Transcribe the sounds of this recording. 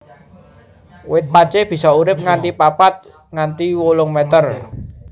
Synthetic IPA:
wɪt̪̚pḁt͡ʃeb̥i̤sɔuɾɪp̚ŋant̪ipapat̪̚ | ŋant̪iwolʊŋmɛt̪ər

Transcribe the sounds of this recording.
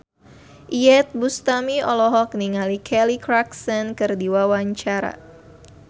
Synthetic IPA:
ʔiɛt̪̚bust̪amiɔlɔɦɔk̚niŋalikʰɛlikɾaksɛnkɨrdiwawaɲt͡ʃaɾa̰

